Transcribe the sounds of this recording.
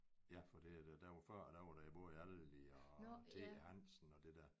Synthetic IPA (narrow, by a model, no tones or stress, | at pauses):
jæfɒ̽d̥iæd̥æd̥æɑfɶɐ̰d̥æʋɑɾ̥æib̥ɔːjælliɒt͡sʰe̝̰ːhæn̰sn̩ɒ̽d̥e̝d̥æɐ